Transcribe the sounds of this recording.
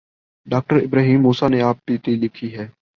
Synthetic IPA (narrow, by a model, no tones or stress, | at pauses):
ɖaːk̚ʈəɾɪbɾaːɦiːmːuːsaːneaːp̚t̪iːt̪ilɪkʰiɦɛː